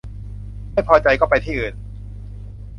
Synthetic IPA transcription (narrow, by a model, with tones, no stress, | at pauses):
ma˥˩jpʰɔː˧t͡ɕa˧jkɔː˥˩pa˧jt̪ʰiː˥˩ʔɯː˨˩n